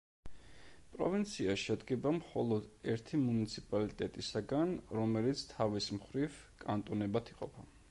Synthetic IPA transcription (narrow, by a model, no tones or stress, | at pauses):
pʼɾɔvint̪sʰiaʃɛd̪ɡɛbamχɔlˠɔd̪ɛɾt̪ʰimunit̪sʰipʼalit̪ʼɛt̪ʼisaɡanɾɔmɛlit̪sʰt̪ʰavismχɾiv | kʼant̪ʼɔnɛbat̪ʰiqʼɔpʰa